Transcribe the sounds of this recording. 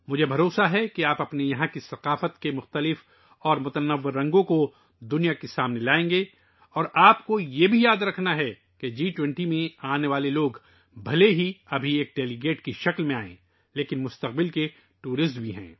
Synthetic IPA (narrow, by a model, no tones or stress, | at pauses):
mʊd͡ʒʱebʱɐɾoːsaɦɛkeaːpɐpnijɐɦãkisɐqaːfət̪kemʊxt̪əlɪf | ɔːɾmʊt̪ənəʋːɪɾːɐ̃ŋɡõko | d̪ʊnijakesaːmnelaːẽːŋɡe | ɔːɾaːpkojebʱijaːd̪ɾɐkʰnaɦɛ | ked͡ʒiːʈwɛ̃ɳʈimẽaːneʋaːleloːɡ | bʱɐleɦiɐbʱieːk̚ɖeːliɡeːʈkiʃɐklmẽaːḛ̃ː | leːkɪnmʊst̪əq̚bɪlke | ʈuːɾɪsʈbʱiɦɛ̰̃ː